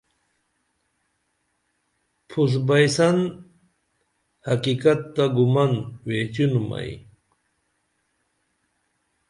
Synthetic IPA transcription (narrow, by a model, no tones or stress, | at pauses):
pʰusbajsan | hakikat̪ːaɡumanwet͡ɕunuma̰j̰